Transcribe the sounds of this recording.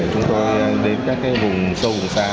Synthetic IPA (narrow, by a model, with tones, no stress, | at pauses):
t͡ɕʊ˨˦ŋ͡mt̪o˧jɗe˧nkaː˦˥k̚kaː˨˦jvʊ˨˩ŋ͡msə˧vʊ˨˩ŋ͡msaː˧